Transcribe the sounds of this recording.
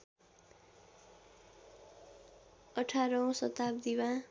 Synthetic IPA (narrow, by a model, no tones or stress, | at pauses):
ʌʈʰaɾʌw̃sʌt̪ab̚d̪iwã